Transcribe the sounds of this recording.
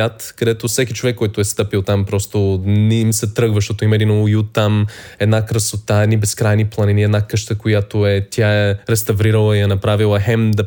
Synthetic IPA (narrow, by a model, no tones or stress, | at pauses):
at̪kɐd̪ɛt̪ofsɛkit͡ʃovɛkːɔjt̪ʊɛst̪ɤpilˠt̪ampɾɔst̪oniimsɛt̪ɾɤɡvəʃt̪ot̪oimɐɛd̪inoʊjut̪am | ɛd̪nakɾəsot̪aɛd̪nibɛskɾajniplˠɐniniɛd̪nakɤʃt̪əkojat̪oɛt̪ʲjaɛɾɛst̪ɐvɾiɾəlˠəiɛnɐpɾavilˠəxɛmd̪ɐ